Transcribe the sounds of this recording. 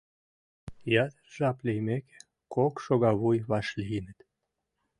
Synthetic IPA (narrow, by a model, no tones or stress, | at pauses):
jɑt̪ʒɑplʲejmeke | kokʃoɣɑβujβɑʃlʲinət̪